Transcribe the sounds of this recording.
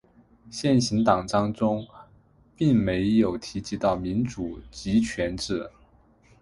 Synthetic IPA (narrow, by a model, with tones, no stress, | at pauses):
ɕjɛ˥˩nɕi˧˥nt̪ɑ˨˩ŋʈ͡ʂɑ˥ŋʈ͡ʂʊ˥ŋ | pi˥˩ŋme˧˥ɪjo˨˩ʊt̪ʰi˧˥t͡ɕi˧˥t̪ɑ˥˩ʊmi˧˥nʈ͡ʂu˨˩t͡ɕi˧˥t͡ɕʰɥɛ˧˥nʈ͡ʂɻ̩˥˩